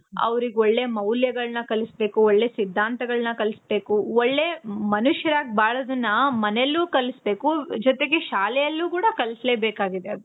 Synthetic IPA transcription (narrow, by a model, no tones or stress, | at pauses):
ɐ̰ʋɐɾiɡeoɭːe̞ːmɐwljɐɡɐɭnɐkɐlisbe̞ːkuɔɭːe̞ːsid̪ʱːaːnt̪ɐɡɐɭnɐkɐlisbe̞ːkuɔɭːe̞ːmɐnuʃjɐɾaːɡ̚baːɭɐːd̪ɐnːɐmɐnelːuːkɐlisbe̞ːkud͡ʒɔt̪e̞ɡeʃaːlɛjɐlːuːkuːɽɐkɐlisleːbeːkaːɡid̪eɐd̪u